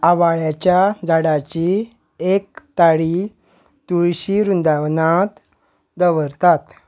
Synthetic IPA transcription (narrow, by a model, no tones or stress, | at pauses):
aʋaɭjat͡ɕjad͡zaɽat͡ɕi | ek̚t̪aɽi | t̪uɭɕiɾund̪aʋnat̪ | d̪əʋəɾt̪at̪